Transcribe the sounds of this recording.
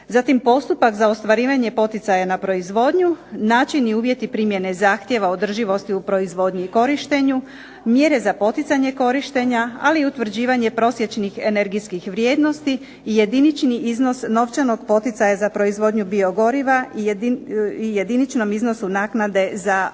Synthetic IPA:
zat̪impo̞st̪upakzaost̪ʋaɾiːʋaɲe̞po̞t̪it̪sajanapɾo̞izʋo̞ːd̪ɲunaːt͡ʃiniuːʋje̞t̪ipɾimje̞ne̞zaːxt̪je̞ʋao̞d̪r̩ʒiʋo̞st̪iupɾo̞izʋo̞ːd̪ɲiko̞ɾiʃt̪eɲu | mje̞ɾe̞zapo̞t̪it̪saɲe̞ko̞ɾiʃt̪e̞ɲaaliut̪ʋɾ̩d͡ʑiːʋaɲe̞pɾo̞sje̞t͡ɕnixene̞ɾɡiskixʋɾjed̪no̞st̪iː | je̞d̪init͡ʃniizno̞sno̞ʋt͡ʃano̞ɡpo̞t̪it̪sajazapɾo̞izʋo̞ːd̪ɲubio̞ɡo̞ɾiʋa | ijed̪init͡ʃno̞mizno̞sunaːknad̪e̞za

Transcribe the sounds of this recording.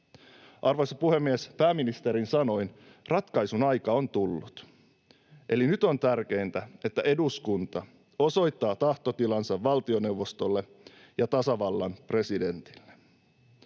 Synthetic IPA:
ʔɑrʋojsɑpuhe̞mːiespæːmːinist̪eɾinsɑno̞jn | rɑt̪kɑjsunɑjkɑo̞nt̪ulːut̪ | ʔe̞linyt̪o̞nt̪ærk̟e̞jnt̪æe̞t̪ːæʔe̞duskunt̪ɑ | o̞so̞jt̪ːɑːt̪ɑht̪o̞t̪ilɑnsɑʋʋɑlt̪io̞ne̞uwʋo̞st̪olːe̞ | jɑt̪ɑsɑʋɑlːɑnpre̞side̞nt̪i̥lːe

